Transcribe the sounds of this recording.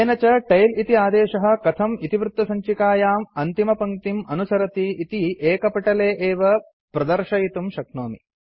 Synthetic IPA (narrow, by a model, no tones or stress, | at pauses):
eːnɐt͡ʃɐʈɐjlit̪iaːd̪eːʃɐɦɐ̆kɐt̪ʰɐmit̪iʋɾut̪ʋɐsɐɲt͡ʃikaːjaːmɐnt̪imɐpɐŋt̪imɐnusɐɾɐt̪iit̪iʔeːkɐpɐʈɐleːʔeːʋɐ | pɾɐd̪ɐɾʂɐjit̪umʃɐknoːmḭ